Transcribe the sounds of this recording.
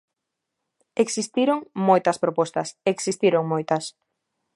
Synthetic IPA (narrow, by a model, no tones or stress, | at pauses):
eksist̪iɾoŋmojt̪ɐspɾopɔst̪ɐseksist̪iɾoŋmojt̪ɐs